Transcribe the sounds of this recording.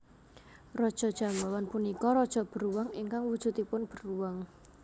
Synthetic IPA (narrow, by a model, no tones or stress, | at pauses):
rɔd̥ʒ̥ɔ̤d̥ʒ̥a̤mbawanpunikɔɾɔd̥ʒ̥ɔ̤b̥ə̤ɾuwaŋiŋkaŋwud̥ʒ̥ṳt̪ipʊnb̥ə̤ruwaŋ